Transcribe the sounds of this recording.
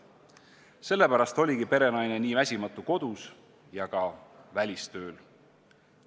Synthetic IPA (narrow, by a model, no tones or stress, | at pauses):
se̞lːe̞pæɾɑst̪o̞lʲiɡipe̞ɾe̞nɑjne̞niːvæsʲimɑt̪ːˑuko̞d̪̥us | jɑɡ̥ɑvælʲist̪ø̞ːl